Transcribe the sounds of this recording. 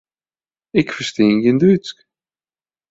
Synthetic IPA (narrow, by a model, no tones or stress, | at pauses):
ɪkfəsteːnjəndysk